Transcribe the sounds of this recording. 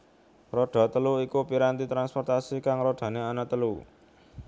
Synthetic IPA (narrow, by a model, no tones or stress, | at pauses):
rɔɖ̥a̤t̪əluikupiɾant̪it̪ɾanspɔrt̪asikaŋɾɔɖ̥a̤neanat̪əlu